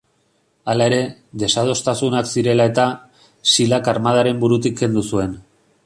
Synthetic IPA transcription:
alae̞ɾe̞ðe̞sað̞o̞st̪asunaksiɾe̞lae̞t̪a | silakaɾmað̞aɾe̞mbuɾut̪ik̚ɡe̞nd̪usue̞n

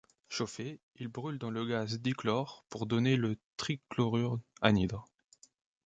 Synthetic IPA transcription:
ʃofe | ilbʁyld̪ɑ̃ləɡazd̪iklɔʁpuʁd̪ɔnelət̪χiklɔʁyʁa̰nid̪ʁ

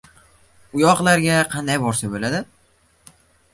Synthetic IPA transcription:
ʊjɒqlˠaɾɡʲaqʰɑnd̪ajbɒɾsabolad̪ɪ

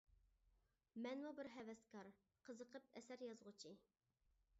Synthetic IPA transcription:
mɛnmubɪɾɦɛvɛst̪kʰɑɾ | qʰəzəqʰəp̚ɛsæɾjɑzʁʊt͡ʃʰi

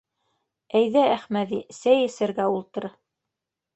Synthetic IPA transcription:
æjðææχmæðisæjɘ̆sɘ̆ɾɡæulˠt̪ɤ̆ɾɤ

